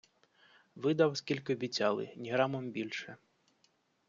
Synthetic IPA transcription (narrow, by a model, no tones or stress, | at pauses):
vɨd̪awskʲilʲkʲɪɔbʲit͡sʲalˠɨ̰nʲiɣɾamɔmbʲilʲʂɛ